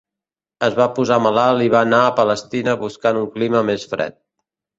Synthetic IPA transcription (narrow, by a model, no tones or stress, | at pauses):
əzβapuzaməlalˠiβ̞aːnaəpələst̪inəβuskanuŋkliməmesfɾɛ̰t̪̚